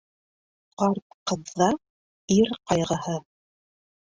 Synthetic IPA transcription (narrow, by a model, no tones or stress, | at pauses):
qɑɾp̪̚qɤ̆ðːɑ | iɾqɑjʁɤ̆hɤ